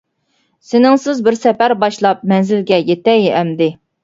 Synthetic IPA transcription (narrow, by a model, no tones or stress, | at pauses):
sɪnɪŋsɪzbɪɾsɛpæɾbɑʃlˠɑp̚mɛnzɪlɡʲɛjet̪ɛjɛmd̪ɪ